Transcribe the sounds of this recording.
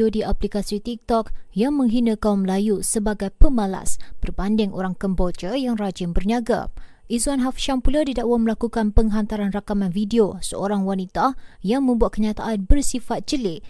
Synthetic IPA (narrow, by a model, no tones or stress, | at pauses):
odiʔaplikasit̪ik̚t̪ɔk̚jaŋmə̃ŋɦinə̃kauməlajusəbaɡajpəmala̰sb̥ərbandɪŋʔo̰ɾaŋkəmbod͡ʒəjaŋrad͡ʒɪmbərɲaɡa̰ | ʔizuanɦafʃampuladidaʔwaməlakukanpəŋɦant̪aɾanrakamanfidiosəoɾaŋwanit̪ajaŋmə̃mbuat̪̚kəɲat̪aʔanbərsifat̪̚t͡ʃəlɪʔ